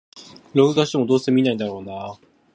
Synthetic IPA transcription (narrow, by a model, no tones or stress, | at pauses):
ɾo̞ɡɯ̟d̪aɕit̪emo̞d̪o̞ːse̞mʲinaĩnd̪aɾo̞ːna